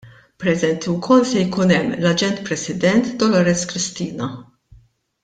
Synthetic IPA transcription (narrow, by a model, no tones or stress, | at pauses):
pɾɛzɛnt̪iwkʰɔlsɛjkuːnɛmːlɐd͡ʒɛnt̪̚pɾɛsɪd̪ɛnt̪d̪ɔlɔɾɛskɾɪst̪iːnɐ